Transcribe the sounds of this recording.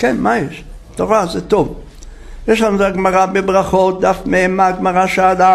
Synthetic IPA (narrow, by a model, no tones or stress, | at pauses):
kenmajeʃ | t̪oʁazɛt̪ov | jeʃlanuzaɡmaʁabebʁaχot̪̚d̪afmeemːaɡmaʁaʃead̪a